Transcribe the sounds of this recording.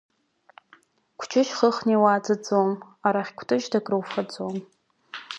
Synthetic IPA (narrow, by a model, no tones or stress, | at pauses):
kʷʰt͡ʃʰɪʃχəχniwad͡zɨd͡zom | aɾaχʲkʷʰtʰɨt͡ʃdakʼrɨwfad͡zʼom